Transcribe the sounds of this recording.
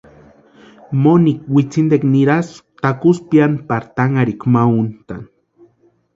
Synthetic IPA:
monik̚wit͡sind̪ekniɾast̪akuspjanpaɾt̪aŋaɾikmaunt̪an

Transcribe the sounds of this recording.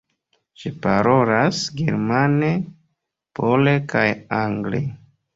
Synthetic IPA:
ʃipaɾo̞lasɡḛɾmane | pʰo̞lekajaŋɡlḛ

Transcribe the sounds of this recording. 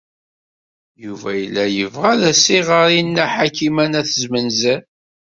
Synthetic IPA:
juvæjəlːæjəvʁæðæsiʁəɾinːæħakimænæθəzmənzæ

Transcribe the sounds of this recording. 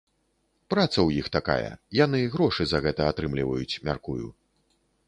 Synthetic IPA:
pɾat̪sɐwjixt̪aka̰jɐ̰janɨɣɾɔʂɨzɐɣɛt̪ɐat̪ɾɨmlʲivɐjut͡sʲmʲa̰rkujṵ

